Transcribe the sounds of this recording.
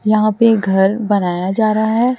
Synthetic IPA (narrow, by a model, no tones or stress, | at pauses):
jɐɦãpeɡʱɐɾbɐnaːjad͡ʒaːɾɐɦaɦɛː